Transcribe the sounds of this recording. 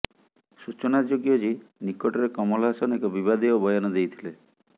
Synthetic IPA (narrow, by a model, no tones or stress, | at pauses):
sut͡ʃɔnad͡ʒoɡjɔd͡ʒinikɔʈɔɾekɔmɔlasɔnekɔbibad̪iɔbʱɔjɔnɔd̪ejt̪ʰile